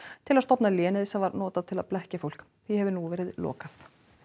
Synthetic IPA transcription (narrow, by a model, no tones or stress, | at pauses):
t̪ʰɪlaðst̪ɔpnaljɛːnɪðɪsɛmvaɾnɔːt̪aðt̪ʰɪla̰ðplɛhcafowl̥k | θihɛvɪnuvɛːɾɪðlɔ̰ːkaθ